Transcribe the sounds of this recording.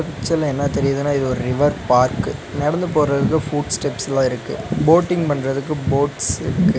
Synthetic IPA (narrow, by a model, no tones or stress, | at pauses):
ɐkɪt͡ʃːɐlɛnːɐt̪ɛɾɪjɐðɯnːaːɪðɯɔɾɯɾɪʋɐɾpaːɾkɯnɐɽɐnd̪ɯp̬oːɾɐðɯkːɯfuːʈsʈɛpsɐlãːɪɾɯkːɯ̰boːʈːɪŋɡpɐɳːrɐðɯk̬ːɯboːʈsɪɾɯkːɯ